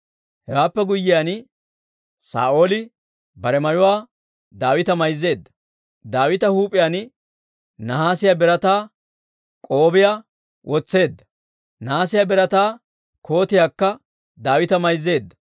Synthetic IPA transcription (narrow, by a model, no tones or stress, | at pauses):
hɛwaːpːɛɡʊjːɪjan | sa̰ːʔoːlɪ | bɐɾɛmɐjʊwaː | d̪aːwɪt̪ɐmɐjzːe̞ːd̪ːɐ̥ | d̪aːwɪt̪ɐhuːpʼɪjaːn | nɐhaːsɪjabɛɾɐt̪aː | kʼoːbɪja | wʔɔt͡sːe̞ːd̪ːɐ̥ | naːsɪjabɛɾɐt̪aː | kʰo̞ːt̪ɪjaːkːɐ | d̪aːwɪt̪ɐmɐjzːe̞ːd̪ːɐ